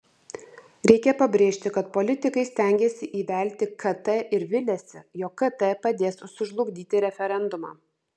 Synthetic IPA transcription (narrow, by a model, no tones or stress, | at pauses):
ɾʲɛɪkʲɛpɐbʲɾʲeːʃʲt̪ʲɪkɐt̪pɔlʲɪt̪ʲɪkɐɪsʲt̪ʲæˑŋʲɡʲɛsʲɪʔiːʋʲæˑlʲt̪ʲɪkʰɐt̪ɛʔɪɾʋʲɪlʲɛsʲɪjoːkːɐt̪ɛpɐd̪ʲeːssʊʒlˠʊɡd̪ʲiːt̪ʲɪɾʲɛfʲɛɾʲɛnd̪ʊmɑ̰ː